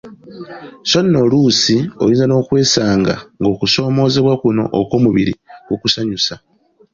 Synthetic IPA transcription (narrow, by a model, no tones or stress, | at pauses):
so̞nːo̞luːsiojiːnzano̞ːkwe̞ːsaːŋɡa̰ŋɡo̞ːkuso̞ːmo̞ːze̞βwakuno̞̰ʔokoːmuβiɾḭkukusaɲusa